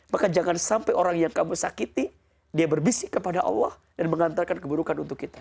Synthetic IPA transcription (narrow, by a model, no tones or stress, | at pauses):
makad͡ʒaŋansampajʔoɾaŋjaŋkamusakit̪i | diabərbisikːəpadaʔɑ̰lːɑh | danməŋant̪arkankəbuɾukanunt̪ʊkːit̪ḁ